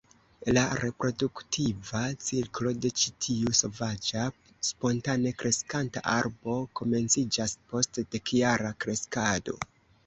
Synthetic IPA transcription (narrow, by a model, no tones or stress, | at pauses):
laɾe̞pɾo̞duktʰivat͡siɾklo̞de̞t͡ʃitʰiuso̞vad͡ʒa | spo̞ntane̞kɾʔe̞skanta̰ʔaɾbo̞ko̞me̞nt͡sid͡ʒaspo̞std̥e̞kjaɾakɾe̞skado̞̰